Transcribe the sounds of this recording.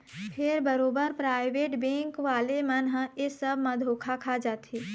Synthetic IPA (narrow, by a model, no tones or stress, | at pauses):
pʰɪɾbɐɾoːbəɾpɾaːɪʋeːʈbẽːŋkʋaːlemɐnɦesəbmãd̪ʱoːkʰakʰad͡ʒaːt̪ʰeː